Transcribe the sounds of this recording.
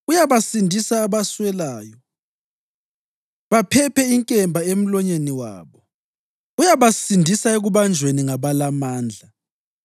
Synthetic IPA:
ujaβasindʱisaːβaswɛlaːjɔ | βapʰɛpʰɛiŋkʼɛmbʱaem̩lɔɲeniwa̰ːβɔ | ujaβasindʱisaeɣuβand͡ʒʱweniŋaβalamaːnd͡ɮʱa

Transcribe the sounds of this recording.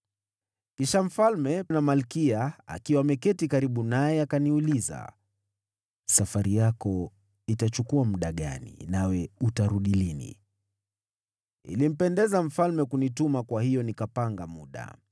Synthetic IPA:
kiʃam̩falmɛnamalkiaa̰kiwamɛkɛtikaɾiɓunajɛakaniuliza̰ | safaɾijakɔ | itat͡ʃukuamuɗaɠa̰nḭnawɛutaɾuɗilinḭ | ḭlim̩pɛndɛzam̩falmɛkunitumakwahijɔnikapaŋɡamuɗa̰

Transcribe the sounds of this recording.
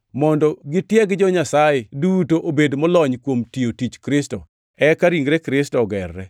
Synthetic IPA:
mɔndɔɡɪtjɛɡɪd͡ʒɔɲasajedutoʔobedmɔlɔɲkwomtiotit͡ʃkɾɪstɔ | ɛkaɾiŋɡɾɛkɾɪstɔɡɛrːɛ̰

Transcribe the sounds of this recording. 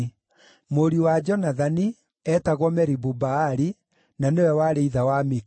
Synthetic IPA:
moɾiwad͡ʒɔnaðani | ɛtaɣwɔmɛɾibubaːɾi | nanewɛwaɾeiðawami

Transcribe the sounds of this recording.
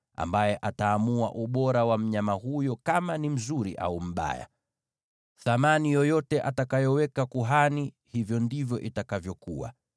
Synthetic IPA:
a̰mbajɛʔataːmua̰ʔuɓɔɾawam̩ɲamahujɔkamanim̩zuɾḭʔa̰um̩ɓa̰ja̰ | θamanijɔjɔtɛʔatakajɔwɛkakuɦani | hivjɔndivjɔʔitakavjɔkuwa̰

